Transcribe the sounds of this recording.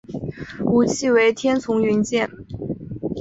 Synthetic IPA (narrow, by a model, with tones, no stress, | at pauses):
u˨˩t͡ɕʰi˥˩we˧˥ɪt̪ʰjɛ˥nt͡sʰʊ˧˥ŋy˧˥nt͡ɕjɛ˥˩n